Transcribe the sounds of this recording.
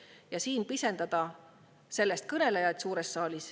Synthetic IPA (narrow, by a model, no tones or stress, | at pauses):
jɑsiːnpise̞nd̪̥ɑd̪̥ɑ | se̞lːest̪̚kɤne̞lejɑt̪suːɾesːɑːlʲis